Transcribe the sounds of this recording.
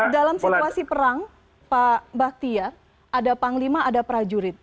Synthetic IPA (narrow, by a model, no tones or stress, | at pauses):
dalamsit̪uasipəɾaŋ | pabak̚t̪ia | ʔadapaŋlimaːdapɾad͡ʒuɾɪt̪̚